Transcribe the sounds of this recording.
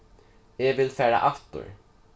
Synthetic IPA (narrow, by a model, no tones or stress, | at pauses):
ɛɡvɪlfæːɾa̰ʔaft̪ʊ̰ɹ